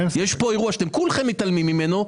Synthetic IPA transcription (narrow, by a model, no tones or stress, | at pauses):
jeʃpo̞eʁuaʃat̪emkulχemːit̪almimːimeno